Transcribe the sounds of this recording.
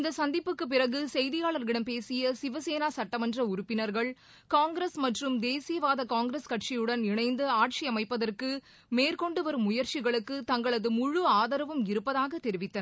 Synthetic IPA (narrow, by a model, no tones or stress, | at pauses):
ɪnd̪ɐsɐnd̪ɪpːɯkːɯp̬ːɪrɐɣɯsɛjðɪjaːɭɐɾɣɪɽɐmpeːsɪjɐsɪʋɐseːnaːsɐʈːɐmɐndrɐʊɾʊpːɪnɐɾɣɐɭ | kaːŋɡɾeːsmɐʈrɯmd̪eːsɪjɐʋaːðɐkaːŋɡɪɾeskɐʈt͡ʃijɯɽɐnɪɳɐɪnd̪ɯaːʈt͡ʃiɐmɐɪpːɐðɐrkɯ | meːrkɔɳɖɯʋɐɾɯmːʊjɐɾt͡ʃɪɣɐɭɯkːɯt̪ɐŋɡɐɭɐðɯmʊɻʊaːðɐɾɐʋɯmɪɾɯpːɐðaːɣɐt̪ːɛɾɪʋɪt̪ːɐnɐ